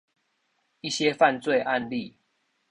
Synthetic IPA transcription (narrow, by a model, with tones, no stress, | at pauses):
i˥˨ɕje˦fa˥˨˧nt͡swe˥˨ɪʔa˥˧nli˥˨